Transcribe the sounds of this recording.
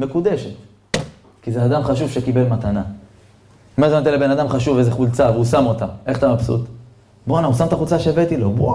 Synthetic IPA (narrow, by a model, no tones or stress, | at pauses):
me̞kud̪eʃe̞t̪ | kizead̪amχaʃuv̥ʃekibe̞lmat̪ana | miazeat̪elebe̞nad̪amχaʃuvezeχult͡saveusamo̞t̪ae̞χt̪amapsṵt̪ | bonausamt̪aχut͡saʃevet̪ilobo